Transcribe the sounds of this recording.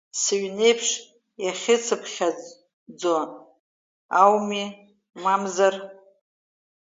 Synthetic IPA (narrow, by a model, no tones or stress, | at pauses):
sɨɥne̞jpʰʂ | jaχʲɪt͡sʰɨpʰχʲa | d͡zon | awmi | mamzar